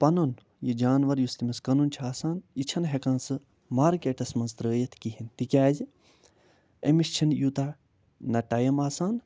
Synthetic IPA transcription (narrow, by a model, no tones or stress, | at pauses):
pɐnɐn | jid͡ʒaːnʋɐɾjust̪imɐskɐnunt͡ʃʰaːsaːnit͡ʃʰɐnɦekãːnsɨ | maːɾkʲeːʈɐsmɐnzt̪ɾəːjɐt̪ʰkiɦint̪ikʲaːzi | ḛmist͡ʃʰinjuːt̪aː | nɐʈɐjɐmaːsaːn